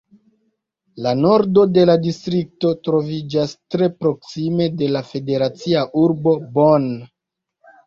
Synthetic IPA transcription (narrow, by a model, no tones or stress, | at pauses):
lano̞ɾdo̞de̞ladistɾik̚to̞tɾo̞vid͡ʒastɾe̞pɾo̞ksime̞de̞lafe̞de̞ɾat͡siaʔuɾbo̞bon